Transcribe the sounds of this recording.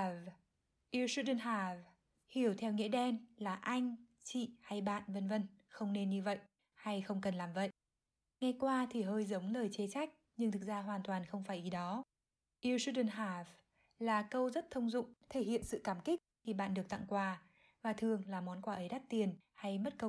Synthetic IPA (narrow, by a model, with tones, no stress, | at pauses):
v | ʔi˧su˧ɗə˧nɦaː˧˩v | hi˧˩əwt̪ʰɛ˧wŋḛ˧˥ɗɛ˧nlaː˨˩ʔa˧jŋ̟ | t͡ɕḭ˧˨ha˧jɓa̰ː˧˨nvə˧nvə˧nxə˧wŋ͡mne˧nɲɨ˧və̰˧˨jʔ | ha˧jxə˧wŋ͡mkə˨˩nlaː˨˩mvə̰˧˨jʔ | ŋa˧jkwaː˧t̪ʰi˨˩ɦəː˧jzə˨˦wŋ͡mləː˨˩jt͡ɕe˨˦t͡ɕa˦˥jk̟̚ɲɨ˧ŋt̪ʰɨ˨˩k̚zaː˧ɦwaː˨˩nt̪waː˨˩nxə˧wŋ͡mfaː˧˩jʔi˨˦ɗɔ˨˦ | ʔi˧su˦˥ɗə˧˩nɦaː˧˩v | laː˨˩kə˧wzə˦˥t̚t̪ʰə˧wŋ͡mzʊ̰˧˨ŋ͡mt̪ʰe˧˩hḭ˧˨ənsɨ̰˧˨kaː˧˩mkï˦˥k̚xi˧˩ɓa̰ː˧˨nɗɨ˨˩ək̚t̪a̰˧˨ŋkwaː˧ | vaː˨˩t̪ʰɨ˨˩əŋlaː˨˩mɔ˨˦nkwaː˧˩ʔə˨˦jɗa˦˥t̚t̪i˨˩ən | ha˧jmə˦˥t̚kə˧w